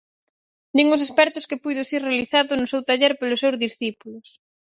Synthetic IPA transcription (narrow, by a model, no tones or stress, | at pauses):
d̪iŋʊs̬espɛɾt̪ʊskɪpujðʊsiɾrealiθaðʊnʊsewt̪aʎɛɾpelʊsewzðisθipulʊs